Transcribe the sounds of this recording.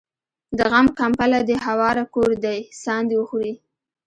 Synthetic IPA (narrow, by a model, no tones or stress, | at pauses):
d̪əɣamkampalad̪əɦawɑɾakoɾd̪ajsɑnd̪iwəxuɾi